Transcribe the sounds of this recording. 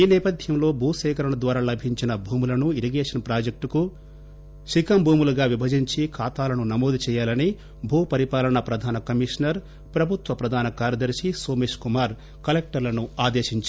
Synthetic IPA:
iːnɛːpɐd̪ʱjɐmlo̞ːbʱuːsɛːkɐɾɐɳɐd̪ʋaːɾaːlɐbʱiɲt͡ʃinɐbʱuːmulɐnuiɾiɡeːʂɐnpɾaːd͡ʒek̚ʈku | ʃikɐmbʱuːmuluɡaːʋibʱɐd͡ʒiɲt͡ʃikʰaːt̪aːlɐnunɐmoːd̪it͡ʃɛːjaːlɐni | bʱuːpɐɾipaːlɐɳɐpɾɐd̪ʱaːnɐkɐmiʂnɐɾ | pɾɐbʱut̪ʋɐpɾɐd̪ʱaːnɐkaːɾjɐd̪ɐɾʃisoːmeːʂkumaːɾ | kɐlek̚ʈɐɾlɐnuaːd̪eːʃiɲt͡ʃ

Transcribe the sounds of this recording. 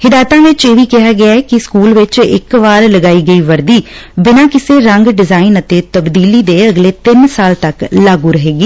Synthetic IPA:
hɪd̪aːjt̪ãːʋɪt͡ʃeːʋiːkɪɦaːɡɪaːɛːkɪskuːlʋɪt͡ʃɪ̰kʋaːɾləɡaːiːɡəiːʋəɾd̪iːbɪnãːkɪseːɾəŋɡɖɪzaːɪnət̪eːt̪əbd̪iːliːd̪eːəɡleːt̪ɪnsaːlt̪əklaːɡuːɾəɦeːɡiː

